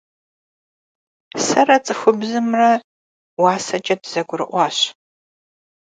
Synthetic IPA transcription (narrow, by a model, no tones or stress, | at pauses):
sɐrɐt͡sʼɨxʷʊbzɨmrɐ | wɑːsɐt͡ʃʼɐtʰz̥ɐɡʷʊɾɨʔʷɑːɕ